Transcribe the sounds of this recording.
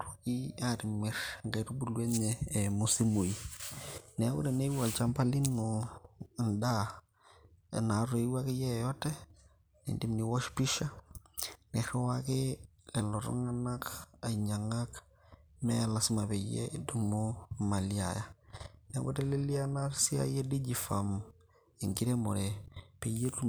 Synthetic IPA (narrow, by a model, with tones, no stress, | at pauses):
tuki˦aɾi˨mɛ˨ɾŋɡɛ˨ɾu˦bu˨lwe˦ɲɛːmu˨si˦mu˨i | nɛ˦wṵ˦ɾɛ˨ne˦wa˨lt͡ʃa˦mpa˦li˦nʊ | nda˦ | na˨ɾe˨˦wa˦kɪ˦jɛ˦jɔ˦tɛ˦ | nḭ˨ndi˦mni˨wɔ˦ʃpi˦ʃa˦ | nɛ˨ɾɛ˦wakɪ˦lɛ˨lo˨ɾɔ̰ŋa˦na˦ka˨iɲa˨ŋa˦k | mɛ˦˨la˨sma˨be˨jḛdumo˦ma˨lia̰˨ja˦nḛ˦bo̰˦te˦le˦li˦a˦na˦ɾsi˦a̰˦je˦di˦d͡ʒifa̰˨m | i˨ŋɡi˦ɾe˦mo˨ɾepe˨je˦tu˦